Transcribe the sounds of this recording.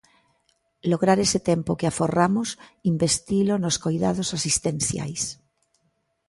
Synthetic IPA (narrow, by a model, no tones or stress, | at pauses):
loɣɾaɾeset̪empokeaforamosimbest̪ilonoskojðað̞osasist̪ẽnθja̰js